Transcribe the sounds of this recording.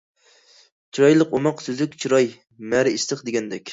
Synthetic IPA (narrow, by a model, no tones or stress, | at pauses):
t͡ʃʰiɾɑjlˠəqomɑqsyzykʲt͡ʃʰiɾɑj | mæɾɪiʃt̪ɨqd̪eɡʲɛnd̪ɛkʲ